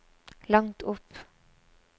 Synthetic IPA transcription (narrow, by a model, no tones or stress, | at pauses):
lɑŋt̪ʰʊp